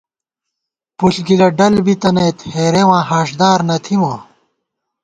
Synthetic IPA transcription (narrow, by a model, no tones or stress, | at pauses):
puɬɡilɐɖɐlbit̪ɐnejt̪heːɾewãːhaːʂd̪aːɾnɐt̪ʰiwãː